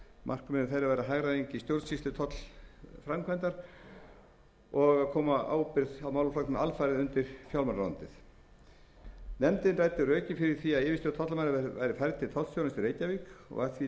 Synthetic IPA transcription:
mʔa̰r̥kʏmɪnɪθejɾavajɾaɦaɣɾaðeɲcɪist̪jowɾðsist̪ɪt̪ʰɔt̪l̥fɾamkʰvɛnt̪aɾ̥ | ɔɣakʰɔːmaa̰ːwpɪɾðawmaːwlʏflaknɪnalfajɾɪðʏnt̪ɪɾ̥fjaw̪manɾant̪ɪθ | nɛmt̪ɪnraːjt̪ɪrœːcɪfɪɾɪɾ̥θiaðɪːvɪst̪ʏt̪ʰɔt̪lamajnava̰ːjɾɪfajɾt̪ʰɪt̪ʰɔt̪l̥sjowlɪst̪ʏɾejcavikɔ̰ɣa̰ɾθvi

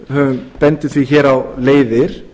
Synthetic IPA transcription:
hœvʏnpɛnt̪ɪθviçɛːɾawleːjðɪɾ̥

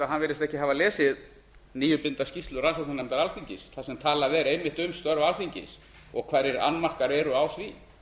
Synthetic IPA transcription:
aɦanvɛːɾɪst̪ɛhcɪɦavalɛːsɪð | niːjʏpɪnt̪ascist̪lʏɾansɔk̚nanɛjmt̪aɾalfiɲcɪsθasɛmt̪ʰaːlavɛɾejmɪht̪ʏmst̪œɾvalfiɲcɪ̰s | ɔɣkʰvaːɾɪɾa̰nːmar̥kaɾɛɾʏawθvi

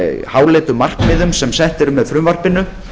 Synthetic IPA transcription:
haːwlɛːt̪ʏmar̥kmɪðʏmsɛmsɛht̪ɛɾʏmːɛðfɾʏmvar̥pɪnʏ

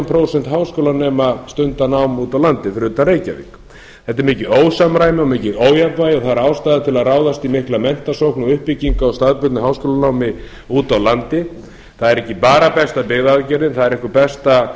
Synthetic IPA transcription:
mpʰɾowsɛnt̪ɦaːwskowlanɛːmast̪ʏnt̪anawmuːt̪awlant̪ɪfɪɾɪðʏt̪aɾeːjcavɪ̰k | θɛt̪ːɪɾmɪːcɪoːwsamɾaːjmɪɔmɪːcɪðoːwjapvajɔɣθaɾaawst̪ajðat̪ʰɪlaðraːwðast̪imɪhklamɛn̥t̪asowhknaʏhpiciŋkaɔwst̪aðpʏt̪nʏɦaːwskoːlanawmɪ | uːt̪awlant̪ɪ | θaðɛɾɛhcɪpaːɾapɛst̪apɪɣðaðcɛɾðɪnθaðɛɾɛhkʏpɛst̪a

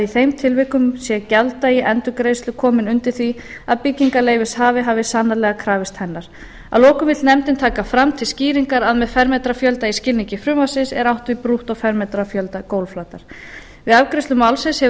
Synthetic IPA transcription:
iθejmt̪ʰɪlvɪhkʏmsjɛcalt̪aiʔɛnt̪ʏkɾejst̪lʏkʰɔːmɪnʏnt̪ɪɾ̥θviaðpɪciŋkaleːjvɪshaːvɪɦaːvɪsaːnːalɛɣakʰɾaːvɪst̪hɛnːaɾ̥ | a̰lɔːkʏmvɪt̪nɛmt̪ɪnt̪ʰaːkafɾamt̪ʰɪlsciːɾiŋkaɾaðmɛðfɛɾmɛt̪ɾafjœlt̪aiscɪlniɲcɪfɾʏːmasɪsɛ̰ɾawht̪vɪpɾuht̪ɔɣfɛɾmɛt̪ɾafjœlt̪akoːwlflaːt̪aɾ̥ | vɪðavkɾejsʏmawlsɪnshɛ

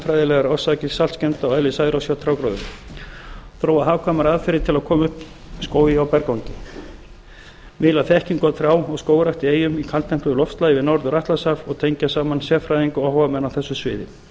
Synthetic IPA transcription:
fɾajðɪlɛɣaɾɔsacɪsalt̪scɛnt̪awɛðlɪsaːjðɪɾawsjawt̪ʰɾawkɾoːðʏ̰m | θɾoːwaɦaːvkʰvamaɾaðfɪɾɪt̪ʰɪlaðkʰɔːmʏhp | skoːwðɪawpɛɾkawɲcɪ | mɪːlaθɛhcinkɔt̪fɾaːwɔɣskoːwɾaxt̪ɪeːjʏmikʰalt̪ʰɛm̥k̪lʏðʏlɔfst̪lajɪvɪðnɔwɾðʏɾaht̪lasafɔɣt̪ʰejɲcasaːmansjɛfɾajðiŋkʏɔhvamɛnawθɛsːʏsvɪ̰ːðɪ

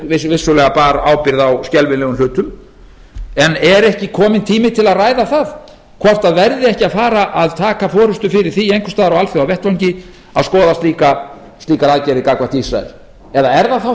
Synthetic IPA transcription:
vɪsvɪsːʏlɛːɣapaːɾaːwpɪɾðawscɛlvɪnlɛːɣʏmlʏːt̪ʏm | ɛnɛɾɛhcɪkʰɔːmɪnt̪ʰiːmɪt̪ʰɪlaðraːjðaθað | kʰvɔr̥t̪aðvɛɾðɪɛhcɪaðfaːɾaʔaðt̪ʰaːkafɔːɾʏst̪ʏfɪɾɪɾ̥θiejŋkʰʏ̥st̪aːðɾawalθjowawvɛht̪vawɲcɪ | aðskɔːðast̪liːka | st̪liːkaɾaðcɛɾɪkaːkvaht̪isɾa̰ɛ̰l̥ | ɛðaɛɾðaθa

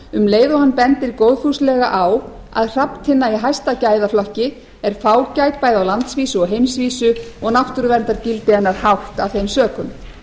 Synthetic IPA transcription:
ʏmleːjðohanːpɛnt̪ɪɾkowðfu̥slɛɣa̰ʔaw | a̰ðr̥apt̪ʰhɪnːaiɦajst̪acaːjðaflɔhcɪ | ɛɾ̥faːwcajt̪̚paːjðawlant̪sviːsʏɔɣɦejmsviːsʏɔɣnaft̪ʏɾʏvɛnt̪aɾcɪlt̪ɪhanːaɾ̥hawht̪avθejmsœːkʏm

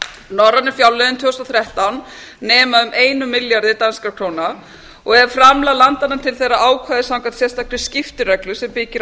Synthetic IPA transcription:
nɔrːanɪɾ̥fjawlɛðʏnt̪ʰʏːst̪aθɾɛht̪awnː | ɛːmaʏmʔeːjnʏmɪljaɾðɪt̪anskakʰɾoːwna | ɔɣɛɾfɾamlalant̪anat̪ʰɪlθejraaːwkʰvaːðɪsawŋkat̪sjɛ̥st̪aklɪscɪft̪ɪrœklʏsɛmpɪːcɪɾ

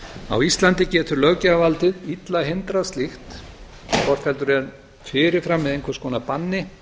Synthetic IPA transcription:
a̰wist̪lant̪ɪcɛːt̪ʏɾlœɣcaavalt̪ɪðit̪laɦent̪ɾast̪lɪxt̪ | kʰɔr̥t̪fɛlt̪ʏɾɛn | fɪɾɪɾ̥fɾamːɪðejŋkʰvœɾ̥skɔːnapanːɪ

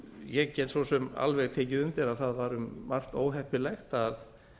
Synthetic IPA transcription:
jɛɣcɛːt̪svosɛma̰lvɛɣt̪ʰeːcɪðʏmt̪ɪɾaðθaðvaːɾʏmːar̥t̪o̰ːwɦɛhpɪlɛxt̪að

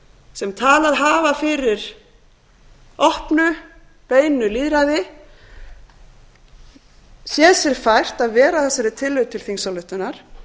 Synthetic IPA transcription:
sɛmt̪ʰaːlaðɦaːvafɪɾɪɾ̥ | ɔhpnʏ | peːjnʏliːðɾaðɪ | sjɛðsɛɾ̥fajr̥t̪aðvɛːɾaθɛsːaɾɪt̪ʰɪlːʏðt̪ʰɪlθiŋsalʏht̪ʏnaɾ̥

